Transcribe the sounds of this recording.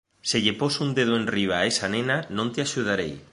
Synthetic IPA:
seʎeposund̪eð̞oẽnriβ̞aesanenanõnt̪ɪaʃuð̞aɾej

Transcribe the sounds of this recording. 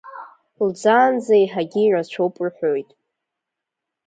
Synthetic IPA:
ld͡zaːnd͡zaiħaɡʲiːrazt͡ʃʷʰowpʼrħʷojtʼ

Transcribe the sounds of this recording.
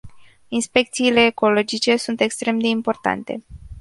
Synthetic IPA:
inspe̞k̚t̪siːle̞ːko̞lo̞d͡ʒit͡ʃe̞sunt̪e̞kst̪ɾe̞md̪e̞impo̞rt̪a̰nt̪e̞̰

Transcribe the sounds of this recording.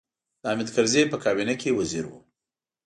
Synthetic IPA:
d̪̥əamɪd̪kaɾzepəkɑbinakewaziɾwṵ

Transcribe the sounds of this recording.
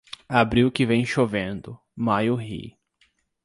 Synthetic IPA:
abɾiwkɪvẽj̃ʃovẽnd̪ʊ | majʊɦḭ

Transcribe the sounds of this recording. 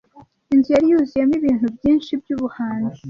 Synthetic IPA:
inzijaɾijuzijemiβiːn̥hubjiːnʃib̚juːβuhaːnde

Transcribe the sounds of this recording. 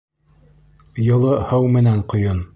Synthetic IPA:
jŏlˠɤhɤwmɘ̆næɴqŏjon

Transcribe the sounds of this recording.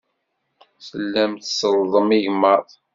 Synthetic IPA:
səlːæmt̪səlðˤəmiʝməɾˤ

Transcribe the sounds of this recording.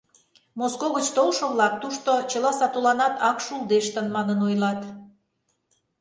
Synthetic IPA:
moskoɣət͡ɕt̪olˠʃŏβlɑk̚t̪uʃt̪ot͡ɕəlɑsɑt̪olɑnɑt̪ɑkʃulˠd̪eʃt̪ənmɑnənojlɑt̪

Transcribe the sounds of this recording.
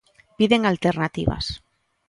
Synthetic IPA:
piðeŋalt̪eɾnat̪iβa̰s

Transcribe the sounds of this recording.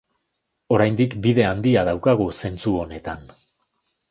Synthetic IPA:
o̞ɾajnd̪ikbiðe̞and̪iað̞awkaɣ̞use̞nt͡suo̞ne̞t̪an

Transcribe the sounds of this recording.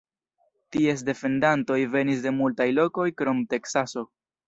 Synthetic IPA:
tie̞s̬de̞fe̞ndanto̞jve̞nis̬de̞multajlo̞ko̞jkɾo̞mte̞ksaso̞

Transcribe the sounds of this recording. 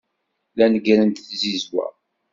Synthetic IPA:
lænɡɾənt̪θzizwæ̰

